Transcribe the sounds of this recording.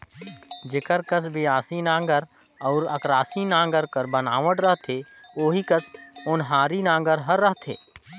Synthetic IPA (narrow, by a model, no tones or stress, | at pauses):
d͡ʒɪkəɾkəsbʱiaːsinãːŋɡəɾ | ɔːɾɐ̰kɾaːsinãːŋɡəɾkəɾbənaːʋəʈɾəɦt̪ʰeː | oːɦikəsʊnɦaːɾinãːŋɡəɾɦɐɾːəɦt̪ʰḛː